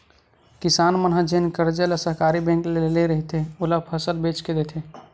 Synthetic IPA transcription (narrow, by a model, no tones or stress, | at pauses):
kisaːnmənɦad͡ʒenkəɾd͡ʒelasəɦkaɾibɛ̃ŋkleeleɾəɦit̪eolapʰəsəlbet͡ʃked̪et̪ʰe